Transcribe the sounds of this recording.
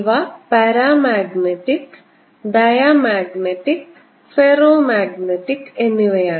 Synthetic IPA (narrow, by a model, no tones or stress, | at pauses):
ʋapɐɾaːmaːɡneʈik | ɖ̪ɐjamaːɡneʈik | feɾoːmaːɡneʈikenːiʋejaː